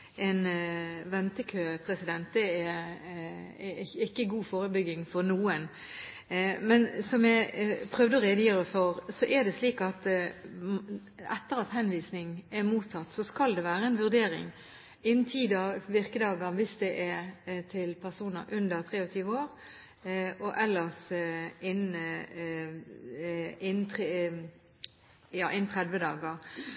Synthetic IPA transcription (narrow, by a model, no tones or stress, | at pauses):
ʔɛnʋɛnt̪əkʰøːpʰʁɛsɪd̪ɛnt̪̚d̪ɛɛ | ɪkːəɡuːfoːɾəbʏɡɪŋfɔʁnuːən | mɛnsɔmjɛɪpʰɾœʋd̪əɔɾeːd̪əjøːɾəfɔʁsɔʔɛd̪ɛsliːkɑt̪ | ɛt̪ːəɾɑt̪hɛnʋiːsnɪŋɛʁmuːt̪ʰːɑt̪ːsɔskɑld̪ɛʋæːɾəɛnʋʉʁd̪eːɾɪ̰ŋ | ɪnt̪ʰiːd̪ɑʋɪʁkəd̪ɑːɡəɾʋɪsd̪ɛʔɛt̪ʰɪlpʰæʁsuːnə̰ɾʔʉnd̪əʁt̪ʰʁeːɔt̪ʰyːʋəoːʁ | ʔɔʔɛlːəsɪn | ɪnt̪ | jɑːʔɪnt̪ʰʁɛd̪ʋəd̪ɑ̰ːɡəʁ